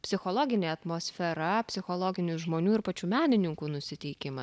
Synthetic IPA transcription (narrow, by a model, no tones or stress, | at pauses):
pʲsʲɪxoːlˠoːɡʲɪnʲeːɐt̪moːsʲfʲɛɾɐpʲsʲɪxoːlˠoːɡʲɪnʲuːʒmoːnʲuːɪɾpɐt͡ʃʲuːmʲæːnʲɪnʲɪŋkuːnʊsʲɪt̪ʲɛɪkʲɪmɐ